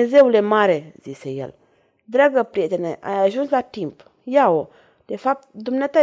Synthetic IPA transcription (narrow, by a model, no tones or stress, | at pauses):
zeulemaɾezisejɛ̰l | dɾaɡapɾieteneʔa̰jaʒũslatĩmp | jawo | d̥efap̚t̚d̪umnata